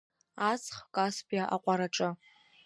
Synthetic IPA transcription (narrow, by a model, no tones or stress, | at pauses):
asχkʼaspʰʼjaʔa̰qʷʼaɾaʈ͡ʂʼɨ